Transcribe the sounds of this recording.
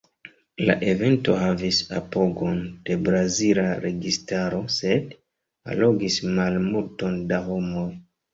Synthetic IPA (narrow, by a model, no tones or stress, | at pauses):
la̰ʔe̞ve̞nto̞ɦavisapo̞ɡo̞nd̥e̞bɾazilaɾe̞ɡistaɾo̞se̞d | a̰lo̞ɡismalmulto̞ndaɦo̞mo̞j